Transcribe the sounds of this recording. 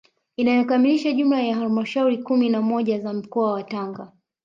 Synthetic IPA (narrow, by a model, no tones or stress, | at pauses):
inajɔkamiliʃaʄumlajaɦalmaʃauɾikuminamɔʄazam̩kɔawataŋɡa